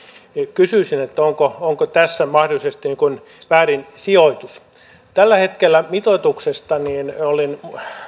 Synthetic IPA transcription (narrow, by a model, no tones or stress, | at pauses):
kysyisinet̪ːæoŋkooŋkot̪æsːæmɑhdolˑisest̪iniŋkun | ʋæːrinsioit̪us | t̪ælːæhet̪kelːæmit̪ot̪uksest̪ɑniːnolin